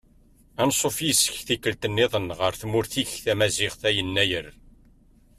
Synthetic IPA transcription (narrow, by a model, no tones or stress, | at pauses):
ænsˤofjəsːə̥çθikːəlt̪ənːɪðˤənʁəɾθmʊɾθiçθæmæzɪʁθæjənːæjəɾ